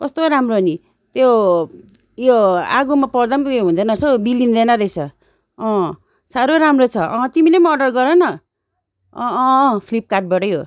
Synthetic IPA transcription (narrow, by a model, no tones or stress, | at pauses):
kʌst̪oɾamroɦʌni | t̪jo | joaɡomapʌrd̪amoɦũnd̪ʌnʌsʌbilind̪enaɾʌjsʰʌ | ʌ̃ | saɾoɾamrot͡sʰʌʔʌ̃t̪imilemʌːɖʌrɡʌɾenʌ | pʰlip̚kaʈ̚bʌʈʌjɦo